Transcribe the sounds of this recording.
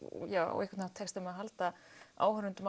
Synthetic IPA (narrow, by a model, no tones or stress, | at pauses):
jaːwɔ̰ɣikvat̪nḁt̪ʰɛkst̪ɛmɛðɦalt̪aa̰ːwhʏɾʏnt̪ʏm